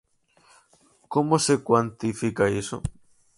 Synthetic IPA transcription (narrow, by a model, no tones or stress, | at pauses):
komosekwant̪ifikaiso̰